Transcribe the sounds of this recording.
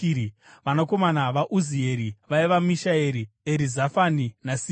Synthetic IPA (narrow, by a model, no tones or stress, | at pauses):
ʋanako̞manaʋaʔuzie̞ɾiʋaiʋamiʃaeɾieɾizafaninasi